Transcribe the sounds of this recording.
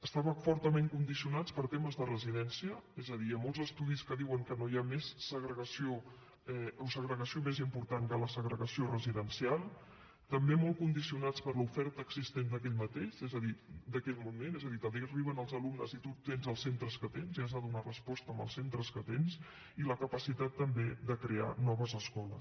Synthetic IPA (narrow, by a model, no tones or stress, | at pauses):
əst̪aβəfɔɾt̪əmeŋkund̪isiunat͡spəɾt̪eməzðərəziðɛnsiəɛzəðiamolˠzəst̪uðiskəðiwəŋkənojamesːəɣɾəɣəsio | ɛosəɣɾəɣəsiomezimpuɾt̪aŋkələsəɣɾəɣəsiorəziðənsialˠ | t̪əmbemɔlˠkund̪isiunat͡spəɾlufɛɾt̪əːɡzist̪end̪əkɛʎmət̪eʃɛzəðid̪əkɛʎmumenezəðit̪əmberiβ̞ənəlˠzəlumnəzit̪ut̪enzəlˠsent̪ɾəskət̪enziəzðəðunarəspɔst̪əmbə̰lˠsent̪ɾəskət̪enz | iləkəpəsit̪at̪ːəmbed̪əkɾea̰nɔβəzəskɔlə̰s